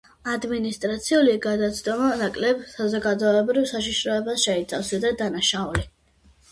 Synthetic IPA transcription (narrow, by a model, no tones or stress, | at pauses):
ad̪minist̪ʼɾat̪sʰiuliɡad̪at̪sʰd̪ɔmanakʼlɛbsazɔɡad̪ɔɛbɾivsaʃiʃɾɔɛbasʃɛit̪sʰafsad̪ad̪anaʃauli